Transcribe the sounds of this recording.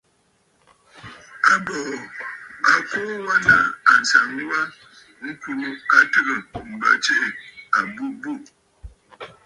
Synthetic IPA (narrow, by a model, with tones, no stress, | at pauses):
a˨bɔ˨a˨ko˦wa˦na̰˨a˨n̩˨sa˨ŋ˦wa˦ | ŋ̩˦ku˦a˦tə˦ɣə˨m̩˨ba̰˨t͡ʃe˦ʔe˨a˨bu˦bu˦˨